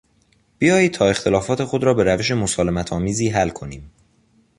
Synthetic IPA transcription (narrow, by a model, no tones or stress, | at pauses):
b̥ijɒːjiːtʰɒːe̞xt̪ʰe̞lɒːfɒːt̪ʰe̞xo̞d̪ɾɒːbe̞ɾæve̞ʃ̬e̞mosɒːle̞mæt̪ʰɒːmiːziːɦælkʰo̞niːm